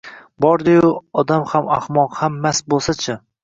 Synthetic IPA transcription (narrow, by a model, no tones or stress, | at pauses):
bɒɾd̪ɪjʊɒd̪amhamahmɒqhamːasbolˠsat͡ʃʰɪ